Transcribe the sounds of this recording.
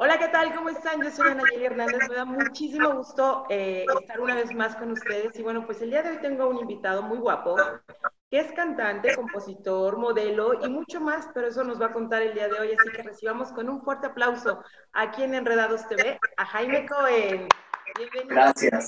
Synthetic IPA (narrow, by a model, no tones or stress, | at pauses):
o̞lake̞t̪alko̞mo̞est̪anʝo̞so̞janaʝelje̞ɾnãnd̪e̞zme̞ðamut͡ʃis̬imo̞ɣ̞ust̪o̞eest̪aɾunaβ̞e̞zmasko̞nust̪e̞ð̞e̞siβwe̞no̞pwe̞seld̪iaðe̞o̞jt̪e̞ŋɡo̞unimbit̪að̞o̞mujɣwapo̞ke̞e̞skant̪ant̪e̞ko̞mpo̞sit̪oɾmo̞ðe̞lo̞imut͡ʃo̞maspe̞ɾo̞e̞s̬o̞no̞zβako̞nt̪aɾe̞ld̪iað̞e̞o̞jasike̞re̞siβamo̞sko̞nunfwe̞ɾt̪e̞aplawso̞ | akie̞ne̞nre̞ð̞aðost̪e̞βe̞axajmekoeneβenisjas